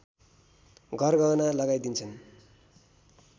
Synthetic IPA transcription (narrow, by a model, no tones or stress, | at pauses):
ɡʱʌrɡanalʌɡajd̪int͡sʰʌn